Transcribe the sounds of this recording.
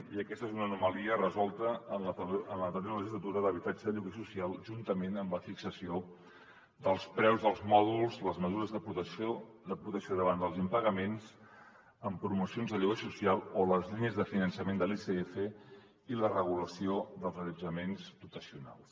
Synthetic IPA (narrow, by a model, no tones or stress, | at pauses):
iəkɛst̪əezunənuməliərəzɔlˠt̪əːnəənlət̪əɾoləʒizlət̪uɾəðəβit̪ad͡ʒəðəʎuɣəsusialˠʒunt̪əmenəmləfiksəsio | d̪əlˠspɾɛwzðəlˠzmɔðulˠzləzməzuɾəzðəp̪ | d̪əpɾut̪əksoðəβand̪əlˠzimpəɣəmenz | əmpɾumusionzðəʎuɣəsusialˠoləzʎiɲəzðəfinənsəmend̪əliseefə | ilərəɣ̞uləsioðəlˠzəʎəd͡ʒəmenzput̪əsiuna̰lˠs